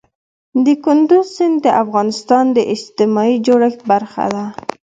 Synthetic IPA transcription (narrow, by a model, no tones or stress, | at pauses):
d̪əkʊnd̪ʊzsɪnd̪d̪əʔafɣɑnɪst̪ɑnd̪əʔɪd͡ʒt̪ɪmɑid͡ʒoɽaxbaɾxa̰d̪a